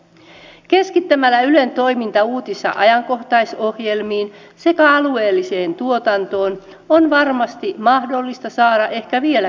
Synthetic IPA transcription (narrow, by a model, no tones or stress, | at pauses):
ke̞skit̪ːæmælːæyle̞nt̪o̞imint̪ɑuːt̪isːɑ̰ʔɑjɑŋko̞ht̪ɑjso̞hje̞lmiːn | se̞kæɑlue̞ːlːise̞ːnt̪uo̞t̪ɑnt̪o̞ːn | onʋɑrmɑst̪imɑhdo̞lːist̪ɑsɑːɾɑʔe̞hkæʋielæ